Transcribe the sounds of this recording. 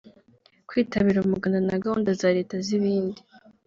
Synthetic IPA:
kwiːtaβiɾaumuɡandanaɡahondazaːɾe̞ːtaziβiːndi

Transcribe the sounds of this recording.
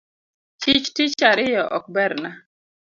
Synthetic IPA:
t͡ʃɪt͡ʃtɪt͡ʃaɾɪjɔʔɔk̚bɛɾna

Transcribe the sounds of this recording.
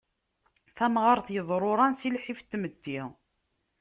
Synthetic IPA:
θæmʁɑɾˤθjəðˤɾˤoɾˤɑnsilħift̪ːməd̪ːi

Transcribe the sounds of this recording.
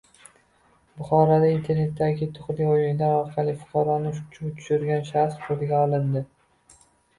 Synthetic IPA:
bʊχɒɾad̪aint̪ʰe̞ɾne̞t̪ːaɡʲɪt̪ʰʊχlɪojɪnɪd̪anɒɾqʰɑlˠɪfʊ̥qʰɑɾɒnɪʃt͡ʃʰʊt̪ʰʊ̥ʃʊɾɡʲanʃaɾsqʰolɪɡʲaɒlˠɪnd̪ɪ

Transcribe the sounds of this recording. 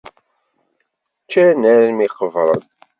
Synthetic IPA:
t͡ʃːænæɾmiqəvɾˤən

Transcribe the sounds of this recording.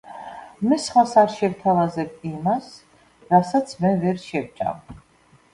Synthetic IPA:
mɛsχwasaɾʃɛvt̪ʰavazɛb̚imas | ɾasat̪sʰmɛvɛɾʃɛvt͡ʃʼa̰m

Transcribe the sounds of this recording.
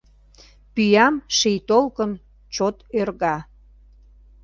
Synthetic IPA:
pyjɑmʃejt̪olkən | t͡ɕot̪ørɣɑ

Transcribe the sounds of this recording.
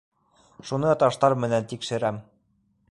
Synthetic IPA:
ʃunɤt̪ɑʃt̪ɑɾmɘ̆nænt̪ikʃɘ̆ɾæm

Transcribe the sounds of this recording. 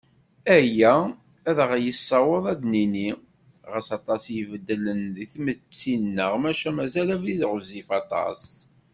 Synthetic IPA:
æjæ | æðʁjəsːɑwəðˤæd̪nini | ʁəsɑt̪ˤɑsjəvəd̪ːələnðiθmət͡sːinːəʁmæʃæmæzælæviðʁəzːifɑt̪ˤɑ̰s

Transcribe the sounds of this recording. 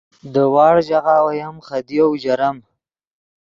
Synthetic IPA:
d̪əwɑːɽd͡ʒaɣawajamχad̪iawd͡ʒaɾam

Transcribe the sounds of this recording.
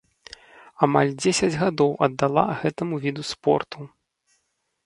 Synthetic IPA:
amalʲd͡zʲesʲɐd͡zʲɣad̪ɔwɐd̪ːalˠa̰ɣɛt̪ɐmuvʲid̪uspɔ̰rt̪u

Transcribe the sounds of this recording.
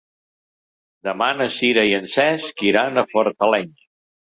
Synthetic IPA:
d̪əmanəsiɾəiənsɛskiɾanəfɔɾt̪əlɛɲ

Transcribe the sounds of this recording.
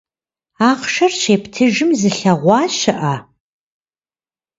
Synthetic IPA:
aːχʂɐrɕeːpʰtʰɨʒɨmzɨɬɐʁʷɑːɕɪʔɐ

